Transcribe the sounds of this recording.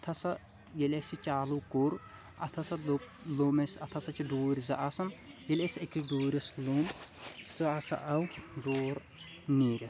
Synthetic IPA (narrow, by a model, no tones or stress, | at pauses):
ɐt̪ʰɐsɐ | jelʲesit͡ʃaːlukuɾ | ɐ̰t̪ʰɐsɐ | loːmesɐt̪ʰɐsɐt͡ʃʰiɖoːɾʲizɐ̰ʔasɐnjelʲesekʰiɖoːɾʲɐsloːmzɐasɐ̰ʔɐwɖoːɾ | niːɾʲɐ